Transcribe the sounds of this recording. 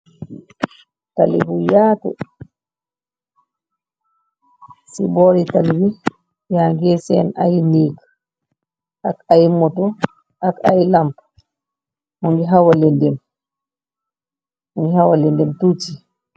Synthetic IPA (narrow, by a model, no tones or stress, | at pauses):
ta̰lḭbujaːtṵ | sḭbɔɾitalwi | jaŋɡɛsɛ̰na̰jnik | akajmɔtɔ | akajlamp | muŋɡiɦawalɛndɛm | uŋɡihawalɛndɛmtuti